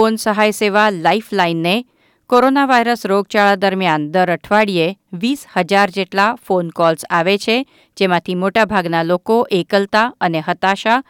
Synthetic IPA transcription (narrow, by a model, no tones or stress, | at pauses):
fonsəɦajseʋalaiflainːe | koɾonaʋajɾəsɾoɡ̚t͡ʃaɭad̪əɾmjand̪əɾəʈʰʋaɽijeʋishəd͡ʒaɾd͡ʒeʈlafonkɔlsaʋet͡ʃʰe | d͡ʒemãt̪ʰimoʈabʱaɡnalokoʔekəlt̪aəneɦət̪aʃa